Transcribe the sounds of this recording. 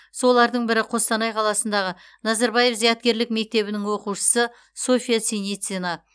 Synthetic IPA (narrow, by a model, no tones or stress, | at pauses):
so̞lˠɑɾd̪əɴbɪɾɪqʰo̞st̪ɑnɑjqʰɑlˠɑsənd̪ɑʁə | nɑzɑɾbɑje̞fzijɑt̪̚kʲe̞ɾlɪk̚me̞k̚t̪e̞βɪnɪŋwo̞quwʃə̥sə | so̞fʲijasinijt̪sina